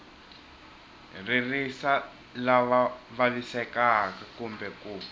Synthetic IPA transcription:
ririsa | laβaβalisɛkakakumbɛkuː

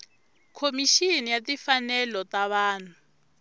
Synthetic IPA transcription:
kʰomiʃinijatifanɛlɔtaβaːnʰu

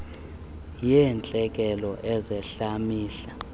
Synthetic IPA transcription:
jɛnt͡ɬʼɛk̬ʼɛlɔʔɛzɛɬamiːɬa

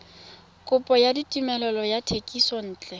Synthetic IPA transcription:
kʼʊpʼɔjaditʼimɛlɛlɔjatʰekʼisɔn̩ːt͡ɬʼɛ

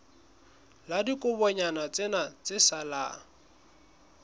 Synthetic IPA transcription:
ladikʼʊbɔɲanat͡sʼɪnat͡sʼɪsala̰

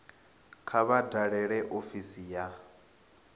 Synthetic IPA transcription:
kʰaβadaɺɛɺɛʔofisija

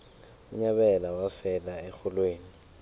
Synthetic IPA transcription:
uɲaɓɛlawafɛlaɛxɔlweːni

